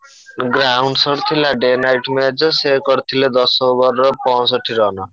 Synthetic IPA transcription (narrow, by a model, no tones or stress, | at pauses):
ɡrawɳɖsʌɾt̪ʰilaɖenajʈmed͡zʌsekʌɾt̪ʰiled̪ʌsobʌrʌpɔ̃sʌʈʰːiɾʌɦnʌ